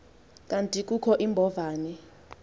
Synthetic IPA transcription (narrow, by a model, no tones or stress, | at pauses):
kʼantʼik̬ʼukʰɔʔimbʱɔvaːni